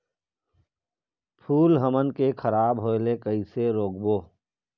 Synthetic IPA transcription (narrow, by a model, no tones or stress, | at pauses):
pʰuːlɦəmənkekʰəɾaːbɦoːelekəiseɾoːkboː